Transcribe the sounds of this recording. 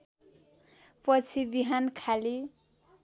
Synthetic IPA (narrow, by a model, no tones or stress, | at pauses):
pʌt͡sʰibiɦankʰali